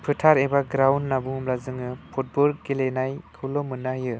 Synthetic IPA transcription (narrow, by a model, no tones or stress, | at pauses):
pʰɯtʰaɾebaɡɾawnːabuŋmlazɯŋɯpʰut̚bɔlɡelenajkʰɯlɔmɯnajɯ